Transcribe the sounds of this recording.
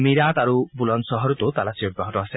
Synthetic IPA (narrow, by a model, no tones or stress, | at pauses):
miɾat̪aɾubulɔnʃɔɦɔɾot̪ot̪alasioɡɾɔɦɔt̪ɔasʰe